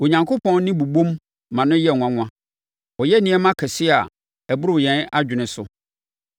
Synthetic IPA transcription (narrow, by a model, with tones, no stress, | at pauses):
o˨ɲã˨ŋkʰo˦pʰɔ̃˦n˦nɪ̃˦bu˨bõ˦mː | ã˨nʊ̃˦jɛ˦˨ŋʷ˨ã˦ŋ̃ʷ˦ã˦ | ɔ˨jɛ˦nĩ˦ɛ˦mã˦kʰɛ˨sɪ˦a˨ | ɛ˨bʊ˦ɾʊ˦˨jɛ̃˨˦na˦d͡ʑᶣɪ˨nɪ̃˨˦sʊ˦